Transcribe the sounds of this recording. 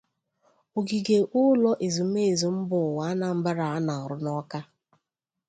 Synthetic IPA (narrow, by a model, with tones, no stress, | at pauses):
o˨ɡi˨ɡe˨ʔʊ˦lɔ˦ʔe˨zu˨˦m̩˦e˦˨zu˨m̩˦bʊ˨wa˨˦a˦na˨m̩˦ba˦ɾa˨a˦na˨ɔ˨ɾʊ˦nɔ˦ka˦